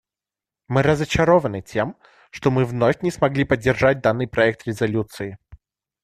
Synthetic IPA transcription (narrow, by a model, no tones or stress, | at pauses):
mɨɾəzət͡ɕɪɾovənɨtʲʰem | ʂt̪omɨvnofʲnʲɪsmɐɡlʲipədʲːɪrʐat̚ʲd̪anːɨjpɾɐɛk̚t̪ɾʲɪzɐlʲut̪sɨɪ